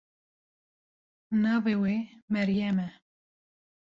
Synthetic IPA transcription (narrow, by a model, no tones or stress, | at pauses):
navewemɛɾjɛmɛ